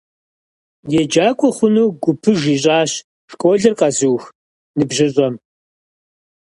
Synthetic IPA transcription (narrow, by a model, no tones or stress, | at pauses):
jɛd͡ʒaːkʷʼɔχʷʊnuːɡʷʊpʰɨʒiːɕ̬ʼaːɕ | ʂkʷʼoɮɨrqɐzɨwx | nɨbʑɪɕʷʼɐm